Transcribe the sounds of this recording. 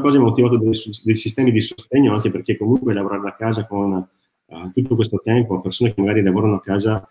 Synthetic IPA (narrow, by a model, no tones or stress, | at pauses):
kɔːzaɛmːot̪ːivaːt̪̬od̪sd̪ejsist̪ɛːmid̪isost̪eɲːoaŋkeperkekːomuŋkwelavoɾaːɾed̪akːaːzakon | t̪ut̪ːokwest̪ot̪ɛmpoapersoːnekemːaɡaːɾilavoːɾanoakːaːza